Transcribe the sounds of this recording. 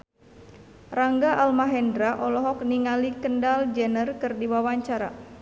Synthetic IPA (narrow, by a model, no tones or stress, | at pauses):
raŋɡaʔalmaɦɛndɾaʔɔlɔɦɔk̚niŋalikəndald͡ʒɛnərkɨrdiwawaɲt͡ʃaɾa̰